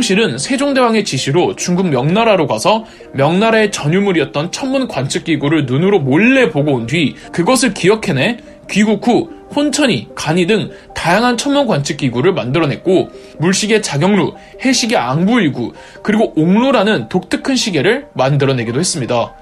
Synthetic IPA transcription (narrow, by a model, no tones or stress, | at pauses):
ʌŋɕʰiɾɯnsʰe̞d͡ʑoŋde̞waŋe̞t͡ɕiɕʰiɾot͡ɕuŋɡuɡmjʌŋnaɾaɾoɡwasʰʌ | mjʌŋnaɾae̞t͡ɕʌɲumuɾiʌt̚t͈ʌnt͡ɕʰʌnmunkwant͡ɕʰɯk̚k͈iɡuɾɯɭnunɯɾomoɭːe̞poɡoundɥi | kɯɡʌsʰɯɭkiʌkʰe̞ne | kɥiɡukʰuhont͡ɕʰʌɲikaɲidɯŋ | tajaŋɦant͡ɕʰʌnmunɡwant͡ɕʰɯk͈̚iɡuɾɯɭmandɯɾʌne̞t̚k͈o | muɭɕ͈iɡe̞t͡ɕaɡjʌŋɾu | he̞ɕ͈ʰiɡe̞aŋbuiɭɡu | kɯɾiɡoʔoŋnuɾanɯntok̚t͈ɯkʰɯnɕʰiɡe̞ɾɯɭmandɯɾʌne̞ɡidohe̞s͈ɯmɲida